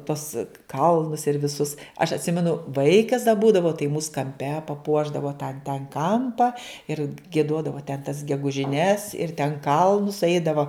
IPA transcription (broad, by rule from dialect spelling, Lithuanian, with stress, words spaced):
tuɔs ˈkɐlˠnʊs ɪr ʋʲɪˈsʊs ɐʃ ɐtʲˈsʲɪmʲɛnʊ ˈʋɐɪkɐs dɐ ˈbuːdɐʋɐʊ tɐɪ muːs kɐmʲˈpʲɛ pɐˈpuɔʒdɐʋoː tɑː tʲɛn ˈkɐmpɐ ɪr ɡʲiɛˈduɔdɐʋoː tʲɛn tɐs ɡʲɛɡʊʒʲɪˈnʲɛs ɪr tʲɛn ˈkɐlˠnʊs ˈɛɪdɐʋoː